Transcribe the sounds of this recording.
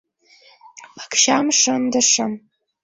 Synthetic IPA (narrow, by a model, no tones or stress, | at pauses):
ḁkʰʃamʂɐndɐʂam